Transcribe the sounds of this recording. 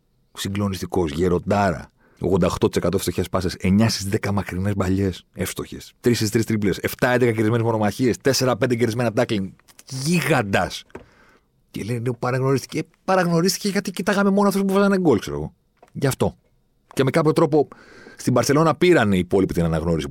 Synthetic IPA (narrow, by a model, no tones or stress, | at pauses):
siŋɡlo̞nist̪iko̞sʝeɾo̞d̪ɐɾɐ̰ | o̰ɣðo̞nd̪ɐoxt̪o̞t̪isekɐt̪ofst̪o̞çespɐsese̞ɲɐsizðekɐmɐkɾine̞zbɐʎe̞sefst̪o̞çe̞̰st̪ɾisist̪ɾist̪ɾiplese̞ft̪ɐend̪ekɐceɾizme̞nezmono̞mɐçie̞st̪e̞se̞ɾɐpe̞nd̪eceɾizme̞nɐd̪ɐklin | ʝiɣɐnd̪ɐs | cḛlenepɐɾɐɣno̞ɾist̪i̥ce | pɐɾɐɣno̞ɾist̪i̥ceʝɐt̪icit̪ɐɣɐme̞mo̞noɐft̪osp̬uvɐzɐneŋɡo̞lkseɾoɣo̞̰ | ʝɐft̪o̞ | ce̞me̞kɐpço̞t̪ɾo̞po̞st̪ibɐɾθe̞lo̞nɐpiɾɐneiːpo̞lipit̪inɐnɐɣno̞ɾisi